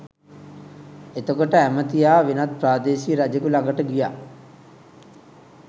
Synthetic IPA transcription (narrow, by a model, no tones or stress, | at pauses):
et̪okoʈəæmət̪ijaːʋenat̪̚praːd̪eːsiːɾad͡ʒekulaŋɡəʈəɡija̰ː